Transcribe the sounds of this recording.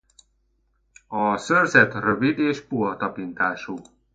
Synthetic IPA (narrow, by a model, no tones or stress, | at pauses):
ɒsørzɛt̪røvid̪eːʃpuɦɒt̪ɒpint̪aːʃu